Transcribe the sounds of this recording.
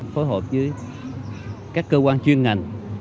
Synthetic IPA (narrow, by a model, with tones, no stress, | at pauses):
fo˨˦jɦo̰˨˩p̚zɨ˨˦j | kaː˦˥kːəː˧kwaː˧nt͡ɕwi˧ənŋa˨˩jŋ̟